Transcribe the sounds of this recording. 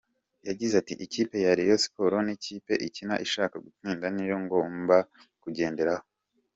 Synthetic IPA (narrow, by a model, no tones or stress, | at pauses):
jaɟizatḭʔiciːpe̞jaɾijosi̥po̞ɾo̞niciːpe̞ʔicina̰ʔiʃaːkaɡutiːndanijo̞ŋɡo̞mba | kuɟe̞ːnde̞ɾaho